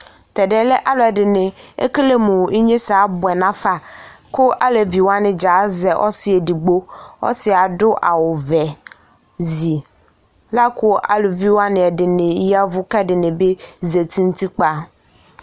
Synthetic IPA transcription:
t̪ɛ˨dɛ˨lɛ˦ʔa˦lʊ˨ɛ˨dɪ˨nɪ̃˨ḛ˦kle˦mʊ̃˨i˦ɲẽ˦sa˨˦bʊ˨ɛ˨nã˦fa˦kʊ˦ʔa̰˦le˨vi˨wo˦a˦nɪ̃˨d͡ʒa˨˦zɛ˨ʔɔ̰˦sɪ˦ɛ˨di˨ɡ͡bo˦ɔ̰˦sɪ˨a˨dʊ˦ʔa̰˨wʊ˨vɛ˨ | zi˨ | la˦kʊ˦ʔa̰˦lo˨vi˦wo˦a˦nɪ̃˨ɛ˨dɪ˨nɪ̃˨˦i˦a˦vʊ˦kɛ˦dɪ˨nɪ̃˨be˦ze˨t̪ʰi˦n̩˦t̪i˦k͡pa˦

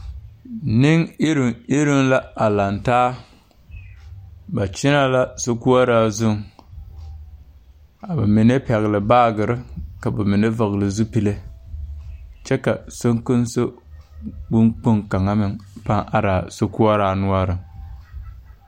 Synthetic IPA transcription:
nɪ˦ŋɪ˦ɾɪ˨ɪ˦ɾɪ˦ŋla˦a˨la˨ntaː˦ | ba˨t͡ʃɪ˦na˦la˦so˦ku˦a˦ɾaː˦zʊ˦ŋ | a˨ba˨mɪ˨ne˦pɛ˨ɣlɨ˨baː˦ɡɨ˨ɾɨ˦ka˨ba˨mɪ˨ne˦va˨ɣlɨ˨zu˦pi˦le˦ | t͡ʃɛ˦ka˨so˦ŋkʊ˦nso˦ | ɡ͡bʊ˦ŋk͡po˦ŋka˨ŋa˦mɪ˨ŋpa˦ŋʔa˦ɾaː˨so˦ku˦a˦ɾaː˨˦nʊ˦a˦ɾɨ˨

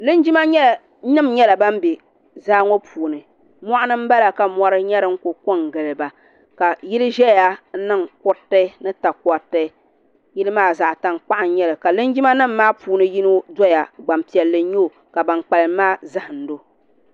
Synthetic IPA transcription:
lɨ˦nd͡ʒi˦ma˦ɲɛ˦˨ | nɨ˦mɲɛ˦la˨ba˦m˦bi˨ | zaː˦ŋɔ˦pʰuː˨nɨ˨ | mɔ˦ʔa˦nɨ˦m̩˦ba˦la˨ka˨mɔ˦ɾɨ˦ɲɛ˦ɾɨ˦ŋ̩˦ko˨ko˦ŋ˨ɡɨ˨lɨ˨ba˨ | ka˨ji˦lɨ˦ʒɛ˦ja˦nɨ˦ŋkʊ˦ta˦nɨ˦ta˨kɔ˨ta˦ | ji˦lɨ˦maː˦˨za˨ʔta˨ŋk͡pa˦ʔa˨n˦ɲɛ˦lɨ˨ka˨lɨ˦nd͡ʒi˦ma˦nɨ˦mːaː˦puː˨˦nɨ˦ji˦nɨ˦dɔ˦ja˨ɡ͡ba˨m˨pi˨ɛ˨lːɨ˦ɲo˦˨ | ka˨ba˨ŋk͡pa˨lɨ˨maː˦za˦hɨ˨n̩˨˦do˦

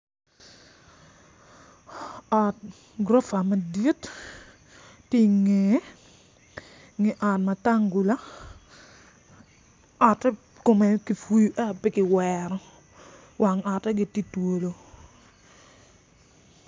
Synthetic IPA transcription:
ɔ˨t̚ | ɡɾɔ˦fa˨ma˨di˦t | i˦ŋe˨˦ | ŋɪ˨ʔɔ˨t̚ma˨ta˦ŋɡu˨la˦ | ɔ˨tɛ˦ | ko˨mɛ˨kɪ˨fu˦ju˦ʔa˦˨pɪ˦kɪ˨wɛɾɔ˦ | wʔa˨ŋɔ˨tɛ˦ɡɪ˨ti˦two˨lo˨

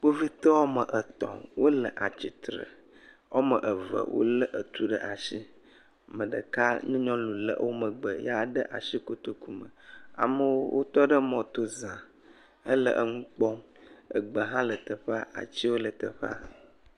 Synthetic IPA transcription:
k͡po˦vi˦t̪e˦wɔ˦mə˨ʔə˨t̪ɔ̰̃˨wo˦lə˨ʔa˨t͡ɕi˨t̪ɾə̰˨ | wɔ˦mə˨ʔə˨və̰˨wʔo̰˦lə˦ʔə˨t̪u˦ɖə˦˨ʔa˨ʃi˦ | mə̃˨ɖə˨ka˦ɲũ˦ɲɔ̃˦lu˨lə̰˨ʔwo˦mə˨ɡ͡bə˨ja˨ɖə˦ʔa̰˨ʃi˦ko˦t̪o˦ku˦mə̰˨a̰˨mə˦wo˦wʔo˦t̪ɔ˦ɖə˦mɔ̃˨t̪o˦zã˨ | ə˦lə˨ʔə˦ŋũ˦k͡pɔ˦m | ə̰˨ɡ͡bə˨ɦã˦lə˨t̪ə˨ɸa˦a̰˨t͡ɕi˦wo˦lə˨t̪ə˨ɸe˦a̰˦

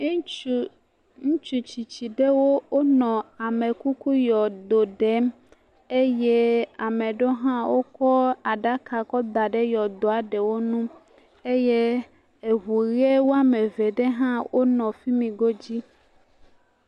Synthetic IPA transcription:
ŋũ˦t͡ʃu˨t͡ɕi˨t͡ɕi˨ɖe˦wo˦o˦nɔ̃˨a˨mẽ˨ku˦ku˦jɔ˨d̪o˨ɖe˨˦m | e˦je˦a˨mẽ˨ɖo˦ɦã˦wo˦kɔ˦a˨ɖa˦ka˨kɔ˦d̪a˨ɖe˦jɔ˨d̪o˨a˨ɖe˨wo˦nũ˦ | e˦je˦ | e˨ɦu˨ɣe˦wo˦a˦mẽ˨ve˨ɖe˦ɦã˦wo˦nɔ̃˨fi˦mĩ˨ɡo˦d͡ʑi˦

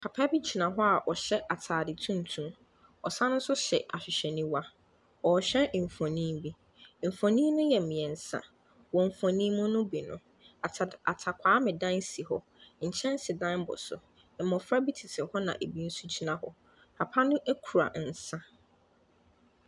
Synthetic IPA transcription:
pʰa˨pʰa˦bi˦t͡ɕʰi˨nã˨ɦɔ˦a˨ʔɔ˨ɕɛ˦ʔa˨tʰaː˨dɪ˨tʰũ˦n˨tʰũ˦m | ɔ˨sã˦nʊ̃˦n̩˦sʊ˦ɕɛ˨ʔa˨ɕᶣɪ˨ɕɛ˨nĩ˦wa˦ | ɔ˨ɕɛ˦˨fɔ̃˨nĩ˦bi˦ | m̩˨fɔ̃˨nĩ˦nʊ̃˦jɛ˨m̩˨ɪ̃˨ɛ˨n̩˨sã̰˦ | wɔ̃˨m̩˨fɔ̃˨nĩ˦mʊ̃˦nʊ̃˦bi˨nʊ̃˨ | a˨tʰa˨kʷʰaː˨˦mɪ̃˨dã˦n˦si˨ɦɔ̰˦ | ɲ̩˨t͡ɕʰɛ̃˦n˦sɪ˨dã˦nbʊ̰˨sʊ̰˨ | m̩˨mɔ̃˨fɾa˦bi˦tʰi˨tʰɪ˨hɔ˦nã̰˨ʔe˨bi˦n̩˦su˦t͡ɕʰi˦nã˨ɦɔ˦ | pʰa˨pʰa˦nʊ̃˦ʔe˦kʰu˨ɾa̰˨n̩˨sã˦

